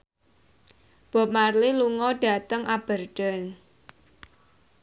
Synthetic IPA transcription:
b̥ɔ̤p̚marliluŋɔɖa̤t̪əŋab̥ə̤rɖ̥ə̤ŋ

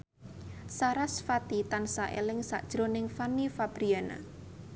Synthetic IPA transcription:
saɾasfat̪it̪ansaʔḛlɪŋsa̰ʔd̥ʒ̥ɾonɪŋfanifab̥ɾiana̰

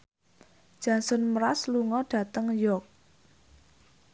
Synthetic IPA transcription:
d̥ʒ̥a̤nsʊnməɾasluŋɔɖ̥ä̤t̪əŋjɔk̚

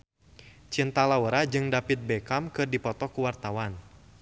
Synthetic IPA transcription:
t͡ʃint̪alawəɾad͡ʒɨŋdapit̪̚bɛkamkɨrdipɔt̪ɔkuwart̪awan

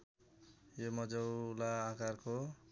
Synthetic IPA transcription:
jomʌd͡zʌwlaːkarko

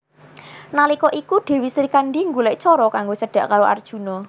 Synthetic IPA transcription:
nalikɔʔikuɖ̪̥e̤wisɾikanɖiŋɡulɛʔt͡ʃɔɾɔkaŋɡot͡ʃəɖ̥ä̤ʔkaɾoʔa̰rd̥ʒ̥ṳnɔ

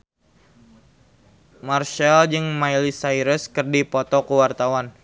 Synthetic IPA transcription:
marʃald͡ʒɨŋmajlisaiɾəskɨrdipɔt̪ɔkuwart̪awan

